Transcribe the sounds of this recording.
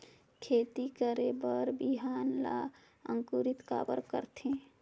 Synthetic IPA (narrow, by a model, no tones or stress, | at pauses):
kʰet̪ikəɾebəɾbiɦanla̰ | ə̰ŋkuɾit̪ka̰bə̰ɾkə̰ɾt̪ʰẽ